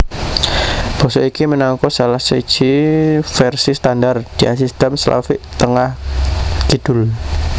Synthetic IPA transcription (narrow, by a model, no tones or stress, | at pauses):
b̥ɔ̤sɔikimənaŋkɔsalahsəid̥ʒ̥ifɛrsist̪andard̪̥i̤ʔasist̪əmsəla̰fɪʔt̪əŋahɡ̥id̥ʊl